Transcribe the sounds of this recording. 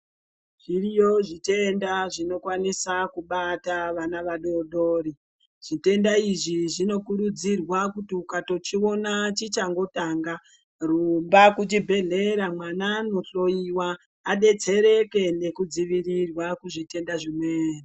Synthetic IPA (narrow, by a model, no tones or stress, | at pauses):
ʐ̥irijo̞ʐite̞ndaʐino̞kwanisakuɓataʋanaʋaɗo̞ɗo̞ːɾi | ʐ̥ite̞ndaiʐiʐino̞kuɾud͡zirwakutiukato̞t͡ʃio̞nat͡ʃit͡ʃaŋɡo̞taŋɡa | rumbakut͡ʃibʱe̞ɮe̞ɾamwanano̞t͡so̞iwaː | ɗe̞d͡ze̞ɾe̞ke̞ne̞kud͡ziʋirirwakuʐite̞ndaʐimweːni